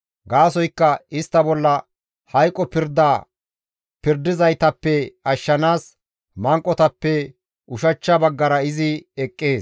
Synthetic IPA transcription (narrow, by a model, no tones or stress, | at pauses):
ɡaːsɔjkːɐɪst̪ːɐbɔlːɐ | hɐjkʼːɔpɪɾd̪aː | pɪɾd̪ːɪzɐjt̪ɐpːɛɐʃːɐnaːs | mɐŋkʼːɔt̪ɐpːɛ | ʊʃɐt͡ʃːɐbɐɡːɐɾɐɪzɪɛkʼːe̞ːs